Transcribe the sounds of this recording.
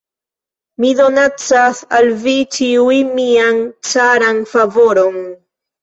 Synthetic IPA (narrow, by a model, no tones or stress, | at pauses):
miðonat͡sasalvit͡ʃiuimiaŋt͡saɾanfavo̞ɾon